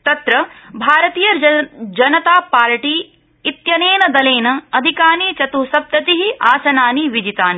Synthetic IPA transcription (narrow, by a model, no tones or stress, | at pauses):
t̪ɐt̪ɾɐbʱaːɾɐt̪iːjɐd͡ʒɐnɐt̪aːpaːɾʈiː | t̪jɐneːnɐd̪ɐleːnɐɐd̪ʱikaːniːt͡ʃɐt̪usɐb̚t̪ɐt̪iɦiʔaːsɐnaːniʋid͡ʒit̪aːni